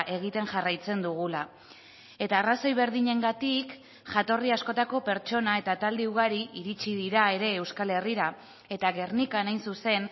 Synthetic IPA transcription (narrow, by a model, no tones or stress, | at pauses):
ʔe̞ɣit̪e̞nʝarajt͡se̞nd̪uɣ̞ula | e̞t̪aːraso̞jβe̞ɾðiɲe̞ŋɡat̪ik | ʝat̪o̞riasko̞t̪ako̞pe̞ɾt͡ʃo̞nae̞t̪at̪ald̪euɣ̞aɾiʔiɾit͡ʃiðiɾae̞ɾe̞ːwskale̞riɾa | e̞t̪aɣe̞rnikanajnsuse̞n